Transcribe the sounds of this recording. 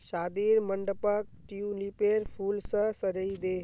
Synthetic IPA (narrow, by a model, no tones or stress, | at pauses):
ʃaːd̪iːɾməɳɖəpək̚ʈijunipeːɾpʰuːlsə̃səɾəid̪eː